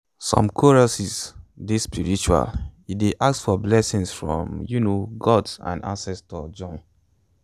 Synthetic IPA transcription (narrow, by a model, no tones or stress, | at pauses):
sɔ̰̃mkʰuɹɔsisdespʰiɹit͡ʃua̰lideʔak̚sfɔblɛsĩnsfɹɔ̰̃mjunoɡɔdsã̰ndã̰nsɛstɔd͡ʒɔ̃n